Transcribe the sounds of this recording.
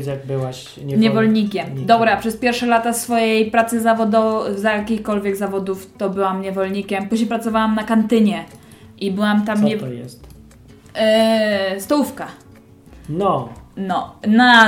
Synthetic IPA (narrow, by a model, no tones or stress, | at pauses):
aɡ̚bɘwaɕ | ɲɛɲɛvɔlɲikʲɛmd̪ɔbɾɛapʂɛspʲjɛɾfʂɛlat̪asfɔjejpɾat̪sɘzavɔd̪ɔzajakʲixkɔlvʲjɛɡzavɔd̪uft̪ɔbɘwamɲɛvɔlɲikʲɛmpuʑɲejpɾat̪sɔvawamnakant̪ɘɲɛ | ʔibɘwamt̪amɲɛjɛ̰st̪ | st̪ɔwufka | nɔnɔna